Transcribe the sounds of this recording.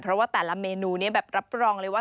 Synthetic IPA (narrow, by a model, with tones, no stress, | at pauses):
pʰɾɔ˦˥waː˥˩t̪ɛː˨˩la˦˥meː˧nuː˧ni˦˥ɐbɛː˨˩p̚ɾa˦˥p̚ɾɔː˧ŋɾɤ˧˩jwaː˥˩